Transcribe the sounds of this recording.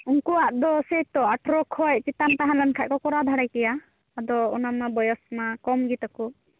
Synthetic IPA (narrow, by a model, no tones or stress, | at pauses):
unkuaʔd̪ɔsɛt̪ɔaʈʰɾɔkʰɔjt͡ʃit̪ant̪aɦalankʰaʔ̚kɔkɔɾad̪ʱaɽajkɛjaː | d̪ɔɔnamabɔjɔsmakɔmɡit̪aku